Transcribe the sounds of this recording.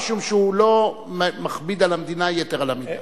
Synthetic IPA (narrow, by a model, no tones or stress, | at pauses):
ʃumʃeulo̞ | mmaχbid̪alamd̪inajet̪eʁalamina